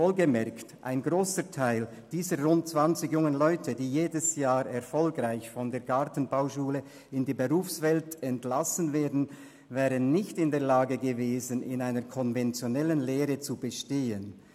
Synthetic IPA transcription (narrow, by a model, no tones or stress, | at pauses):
voːlɡəmɛɐktʔa̰ɪnɡʁoːsətʰaɪl | d̥iːzəʁʊnt̚t͡sv̥ant͡sɪɡjʊŋənlɔʏtʰədiːjeːdəsjaːɾɛɐfɔlɡʁaɪçfɔndeːɐɡaʁtn̩baʊʃuːlə | ɪndiːbəʁuːfsv̥ɛltɛntlasən̩veːɐdn̩ | vɛːʁənːɪçtɪndeːɐlaːɡəɡəveːzənɪ̰naɪnəkʰɔnvɛnt͡sjonɛlənleːʁət͡subəʃteːən